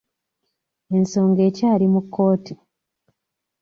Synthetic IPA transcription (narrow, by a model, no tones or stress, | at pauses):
e̞nso̞ːŋɡe̞ːcaːlimukːo̞ːti